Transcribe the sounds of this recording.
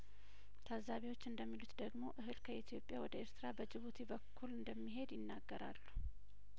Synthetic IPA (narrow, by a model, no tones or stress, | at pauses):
t̪ʰazːaβiwo̞t͡ʃːɨnd̪əmːilut̪d̪əɡmo̞ʔɨɦɨlkʰəit̪ʰijo̞pʼjawɔd̪əeɾt̪ʰɨɾabəd͡ʒɪβut̪ʰibəkʰːulɨnd̪əmːiɦe̞d̪jɪnːaɡːəɾa̰lːu